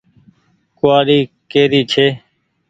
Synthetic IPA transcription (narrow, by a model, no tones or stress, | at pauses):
kʊaːɾiː | keːɾiːt͡ʃʰeː